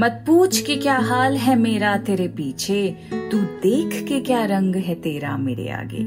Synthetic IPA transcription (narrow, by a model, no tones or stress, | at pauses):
mɐt̪̚puːt͡ʃʰkekjaːɦaːlɦɛmeːɾat̪eːɾepiːt͡ʃʰe | t̪uːd̪eːkʰkekjaːɾɐ̃ŋɡɦɛt̪eːɾa̰mɪ̰ɽḛa̰ːɡḛː